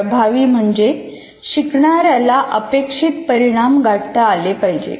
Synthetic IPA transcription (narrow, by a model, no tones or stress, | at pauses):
bʱaʋiːm̤əɳd͡ʑe | ɕikɳaɾalaʔəpekʂit̪pəɾiɽ̃amɡaʈt̪aːlepaɦjd͡ʑḛ